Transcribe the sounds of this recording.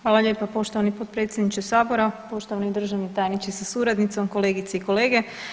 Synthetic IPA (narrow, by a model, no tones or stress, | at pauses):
ʋaːlˠaʎʲjeːpapo̞ʃt̪oʋanipo̞t̪̚pɾe̞ːt̪sʲjed̪nit͡ʃesaːboɾapo̞ʃt̪oʋanid̪ɾr̩ʒaʋnit̪aːjnit͡ʃisasuɾad̪nit̪so̞mko̞le̞ːɡit̪seiko̞le̞ːɡe